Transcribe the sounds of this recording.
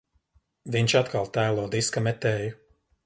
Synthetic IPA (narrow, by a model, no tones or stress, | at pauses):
viɲʲt͡ʃat̪kʰalˠt̪æːlˠɔd̪iskɐmɛt̪ɛːju